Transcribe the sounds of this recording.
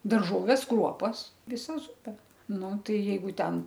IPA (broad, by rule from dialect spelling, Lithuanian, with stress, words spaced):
dɐrˈʒoːʋʲɛs ˈkruɔpɐs ʋʲɪˈsɐ ˈzʊpʲɛ ˈnʊ ˈtɐɪ jɛɪˈɡʊ ˈtʲɛn